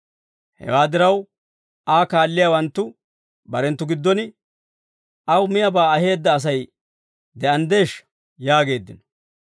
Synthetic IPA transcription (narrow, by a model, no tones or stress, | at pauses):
hɛ̰waːd̪ɪɾɐw | aːkaːlːɪjawɐnt̪ːʊ | bɐɾɛnt̪ːʊɡɪd̪ːɔnɪ | ʔɐwmɪjɐbaːɐɦe̞ːd̪ːɐːs̬ɐj | d̪ɛɐnd̪e̞ːʃ | jaːɡe̞ːd̪ːɪnɔ̥